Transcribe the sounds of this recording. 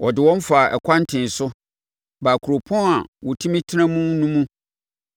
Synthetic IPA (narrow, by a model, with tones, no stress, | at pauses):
wɔ˨dɪ˨wɔ̃˦m˦fa˨ʔɛ̰˨kʷʰa˦n˦tʰɪ̃˨n˨sʊ˦ | baː˨kʰu˨ɾo˨pʰɔ̃˦na˨wɔ˨tʰũ˦mĩ˦tʰɪ˦nã˦mũ˦nũ˦mũ˦